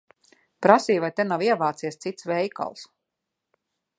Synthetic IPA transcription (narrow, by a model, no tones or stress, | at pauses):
pɾasiːvajt̪enawiɛvaːt̪siɛst̪sit̪svɛjka̰lˠs